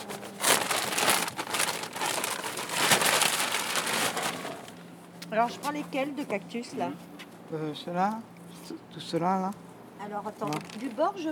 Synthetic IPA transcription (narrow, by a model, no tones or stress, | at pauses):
alɔʁʒəpãlekʲɛld̪əkak̚t̪ysla | øsəla | t̪usəlala | alɔʁat̪ɑ̃d̪ybɔʁʒə